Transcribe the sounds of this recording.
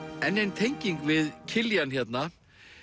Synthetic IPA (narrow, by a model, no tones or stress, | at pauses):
ɛnːejnt̪ʰejɲciŋkvɪðcʰɪljançɛt̪na